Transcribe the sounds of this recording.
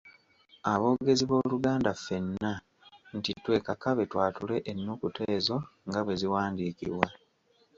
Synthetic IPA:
aβo̞ːɡe̞ziβo̞ːluɡaːndafe̞nːa | ntitwe̞kakaβe̞twaːtule̞ʔenːukute̞ːzo̞ŋɡaβwe̞ziwaːndiːkḭβwa

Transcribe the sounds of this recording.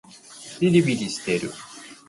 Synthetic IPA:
ɾiɾʲibiɾʲiɕi̥t̪eɾɯ̰

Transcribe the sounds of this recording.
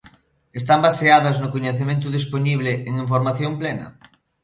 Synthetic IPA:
est̪ambaseaðɐznʊkoɲeθemẽnt̪̬ʊðisponiβleeŋiɱfoɾmaθjomplɛnɐ̰

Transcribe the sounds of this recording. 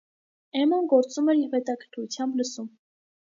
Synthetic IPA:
ɛmɔnɡɔɾt͡sumɛɾiɾvɛt̪ɑkʰəɾk̪ʰvut͡sʰjɑmbləsum

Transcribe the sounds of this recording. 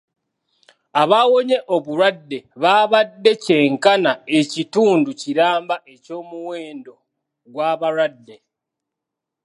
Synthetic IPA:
aβawo̞ɲe̞ʔo̞βuɾwadːe̞βaːβadːe̞ce̞ːŋkanae̞cituːnduciɾaːmbaʔe̞co̞ːmuwe̞ːndo̞ | ɡwaːβaɾwadːe̞

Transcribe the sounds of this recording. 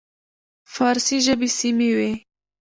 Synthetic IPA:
fɑːɾsiʒəbisimewe

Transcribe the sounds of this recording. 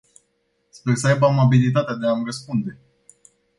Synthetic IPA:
spersəajbəamabilit̪̬at̪ead̪eamrəspund̪e̞

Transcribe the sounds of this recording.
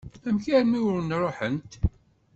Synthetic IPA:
æmçæɾmiwɾənɾˤoħənt̪

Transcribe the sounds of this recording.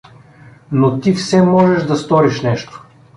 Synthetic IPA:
not̪ifsɛmɔʒɛʃd̪ɐst̪ɔɾiʃnɛʃt̪o̥

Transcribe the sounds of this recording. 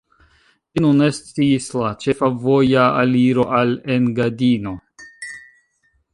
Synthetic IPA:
inunest͡siislat͡ʃe̞favo̞jaːliɾo̞ʔalenɡadino̞

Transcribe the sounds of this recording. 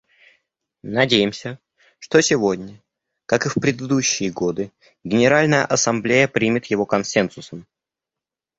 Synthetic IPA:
nɐdʲejɪmsʲə | ʂt̪o̞sʲɪvo̞dʲnʲə | kakɨfpɾʲɪd̪ɨd̪uɕːɪjəɡo̞d̪ɨ | ɡʲɪnʲɪɾalʲnəjə̰ʔɐsɐmblʲejəpɾʲimʲɪt̪jɪvo̞kɐnsʲensʊsəm

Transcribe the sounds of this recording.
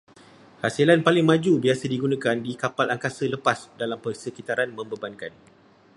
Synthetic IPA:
hasilanpalɪŋmãd͡ʒubiasədiɡunãkandikapalaŋkasələpasdalampərsəkit̪aɾanmə̃mbəbankan

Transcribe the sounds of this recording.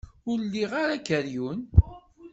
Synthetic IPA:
ʊɾlːiʁaɾakəɾjun

